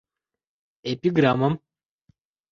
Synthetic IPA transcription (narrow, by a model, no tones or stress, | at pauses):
epʲiɡɾamɐm